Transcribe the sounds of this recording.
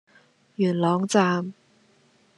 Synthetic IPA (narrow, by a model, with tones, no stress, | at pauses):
jy˨˩nlɔ˨˥ŋt͡sa˧m